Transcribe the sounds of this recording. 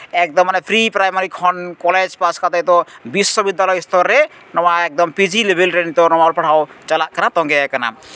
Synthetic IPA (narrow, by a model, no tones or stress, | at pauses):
ek̚d̪ɔmːanepʰɾipɾajmaɾikʰɔnkɔled͡zpaskat̪et̪ɔbiswɔbid̪jalɔjst̪ɔɾːe | nɔwãek̚d̪ɔmpid͡ʒʱilebʱelɾenit̪ɔnɔwaulpəɽ̤awt͡ʃalaʔkənat̪ɔŋɡekəna̰